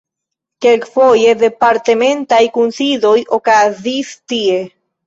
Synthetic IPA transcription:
kelkfoje̞d̪e̞paɾt̪emẽ̞ntajkunsidojokazistie̞

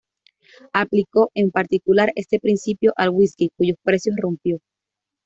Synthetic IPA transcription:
apliko̞ʔe̞mpaɾt̪ikulaɾe̞st̪e̞pɾinsipjo̞ʔalɣwiskikuʝo̞spɾe̞sjo̞srompjo̞

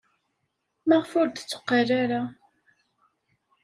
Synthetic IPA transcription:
məʁfʊɾt̪ət͡sːʊ̥qːəraɾa

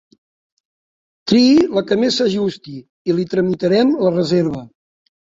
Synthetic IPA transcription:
t̪ɾiiləkəmesəʒust̪i | ilit̪ɾəmit̪əɾɛmlərəzeɾβə

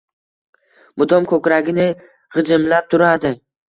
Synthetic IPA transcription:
mʊd̪ɒmkʰɵkʲɾaɡʲɪnɪ | ʁɨd͡ʒɪmlap̚t̪ʰʊɾad̪ɪ

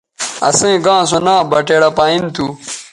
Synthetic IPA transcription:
ɐ̰sẽɡãːs̬onãːbɐʈeːɽɐpaːint̪ʰu

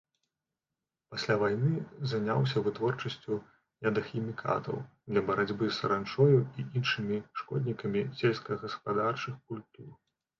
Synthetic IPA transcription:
pasʲlʲavajnɨzanʲa̰ws̬ʲɐvɨt̪vɔrt͡ʂɐsʲt͡sʲu | jad̪ɐxʲimʲikʰa̰t̪ɐ̰w | d̪lʲɐbɐɾad͡zʲbɨsɐɾant͡ʂɔjuiʔinʂɨmʲiʂkɔd̪ʲnʲikɐmʲisʲɛlʲskɐɣɐspad̪art͡ʂɨxkulʲt̪ur

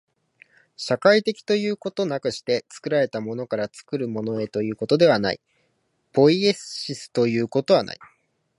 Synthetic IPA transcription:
ɕakait̪e̞kʲi̥t̪o̞jɯ̟ːko̞t̪o̞nakɯ̟ɕi̥t̪e̞t͡sɨ̥kɯ̟ɾaɾe̞t̪amo̞no̞kaɾat͡sɨ̥kɯ̟ɾɯ̟mo̞no̞e̞t̪o̞jɯ̟ːko̞t̪o̞d̪e̞β̞ana̰ḭ | po̞ie̞sɕisɨ̥t̪o̞jɯ̟ːko̞t̪o̞β̞ana̰ḭ

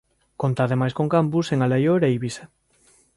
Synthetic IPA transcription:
kont̪aːðemajskoŋkampuseŋalajoɾejβise

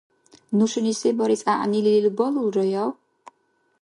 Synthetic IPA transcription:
nuʃunisibɔɾisʼaʔnilililbɔlulɾɔjɔw

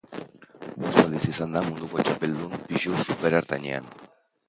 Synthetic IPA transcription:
bost̪alisisand̪amund̪uko̞t͡ʃape̞ld̪umpiʃusupe̞ɾaɾt̪aɲḛa̰n

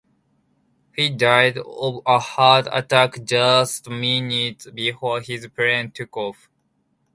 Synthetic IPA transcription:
hidaɪdəhadə̰takd͡ʒʌstminitbifɔɹhizpɹɛ̃ntʰukɔf

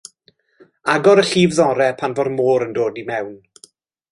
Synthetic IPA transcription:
aɡɔɾəɬiːvðɔɾɛpʰanvɔrmoːɾəndoːdimɛwn

